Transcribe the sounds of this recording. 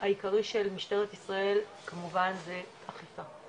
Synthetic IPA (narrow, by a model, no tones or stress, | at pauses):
aikaʁiʃelmiʃteʁet̪isʁae̞l | kamuvanze | aχifa